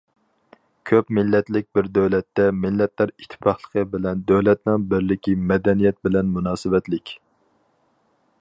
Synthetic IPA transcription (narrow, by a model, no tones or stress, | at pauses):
kʲʰøpmɪlːɛt̪lɪk̚ʲbɪɾd̪øwlɛt̪ːɛmɪlːɛt̪læɾit̪ʰːɪ̥pʰɑχlˠə̥qʰəbɪlɛnd̪øwlɛt̪nɪŋbɪɾlɪkʲʰimɛd̪ɛnijɛt̪̚bɪlɛnmunɑːsɨwɛt̪lɪkʲ